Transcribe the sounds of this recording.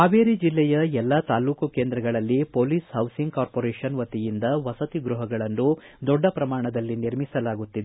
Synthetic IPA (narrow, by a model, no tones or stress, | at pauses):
aːʋeːɾid͡ʒilːɛjɐɛlːɐt̪aːluːkɐkeːnd̪ɾɐɡɐɭɐlːipoːliːshɐwsiŋɡ̚kaːɾpoːɾeːʂɐnʋɐt̪ijind̪ɐʋɐsɐt̪iɡɾuɦɐɡɐɭɐnːu | d̪ɔɖːɐpɾɐmaːɳɐd̪ɐlːiniɾmisɐlaːɡut̪ːid̪e